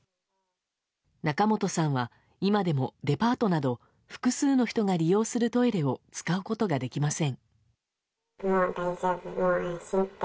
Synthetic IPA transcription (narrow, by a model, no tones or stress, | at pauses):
nakamo̞t̪o̞sãɰ̃βa | imad̪e̞mo̞d̪e̞paːt̪o̞nad̪o̞ | ɸɯ̟̥kɯ̟sɨːno̞çi̥t̪o̞ɡaɾʲijo̞ːsɨɾɯ̟t̪o̞eɾe̞o̞t͡sɨ̥kaɯ̟ko̞t̪o̞ɡad̪e̞kʲimasẽ̞ŋ | madazavmaasɨt̪